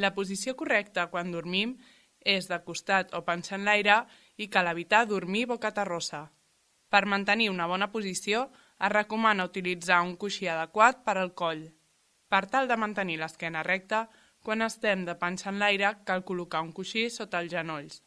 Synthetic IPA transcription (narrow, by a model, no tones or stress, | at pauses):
ləpuzisiokurɛkt̪əkwand̪uɾmim | ezðəkust̪at̪opansənlajɾə | ikaləβ̞it̪aðuɾmiβɔkət̪ərosə | pəɾmənt̪əniunəβɔnəpuzisio | əzrəkumanəut̪ilid͡zauŋkuʃiəðəkwat̪̚pəɾəlˠkɔʎ | pəɾt̪alˠd̪əmənt̪əniləskɛnərɛk̚t̪ə | kwanəst̪ɛmd̪əpansənlajɾəkalˠkulukauŋkuʃisot̪əːlˠzʒənoʎs